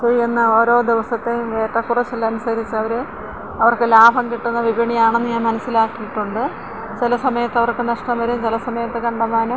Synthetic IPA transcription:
t͡ɕejienːɐo̞ːɾo̞ːd̪iʋɐsɐt̪ːemʋeːʈːɐkːurɐt͡ɕːulːɐɐnusɐɾit͡ɕːɨɐʋɐɾɨ | ɐʋɐrkɨlaːbʱɐŋkiʈːunːɐʋibʱiɳijaːɳenːɨɲaːnmɐnɐsːilaːkːijiʈːuɳɖɨ | t͡ɕilɐsɐmɐjɐt̪ːɐʋɐrkːɨnɐʂʈɐmʋɐɾumt͡ɕelɐsɐmɐjɐt̪ːɨkɐɳɖɐmaːnum

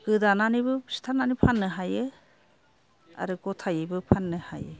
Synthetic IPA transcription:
ɡɯdananibɯsi̥t̪ʰananipʰanɯɦajɯ | a̰ɾɯɡɔt̪ʰajibɯpʰanɯha̰jə

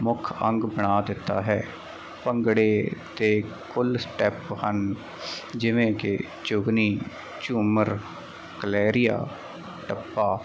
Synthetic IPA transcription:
mʊkʰəŋɡbəɽ̃aːd̪ɪt̪ːa̰ːɦɛː | pəŋɡɽeːt̪eː | kʊlsʈɛphən | d͡ʒɪʋẽːkɪ | t͡ʃʊɡniː | t͡ʃuːməɾ | kəlɛːɾɪja̰ː | ʈəpːaː

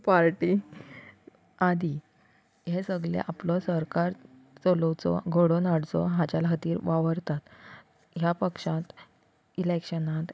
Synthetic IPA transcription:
paɾʈi | ad̪i | ɦesəɡlḛʔaplɔsəɾkaɾ | t͡soləwt͡sɔ̰ɡʱoɽonaɽt͡sɔ̰ɦãt͡ɕalɦət̪iːɾʋaʋəɾt̪at̪ | ɦjapəkʂãt̪ | ilekɕənat̪

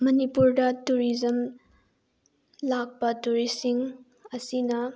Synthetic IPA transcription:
mɐnipuɾdɐtuɾizɐm | lak̚pɐtuɾisiŋ | ɐsinɐ

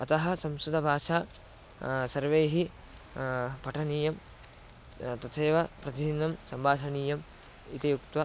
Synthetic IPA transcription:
ɐt̪ɐɦɐ̆sɐmsud̪ʱɐbʱaːʃaː | sɐɾʋeːɦi | pɐʈʰɐniːjɐm | t̪ɐt̪ʰeːʋɐpɾɐd̪inɐmsɐmbaːsɐɳiːjɐm | it̪ɐjukt̪ʋɐ

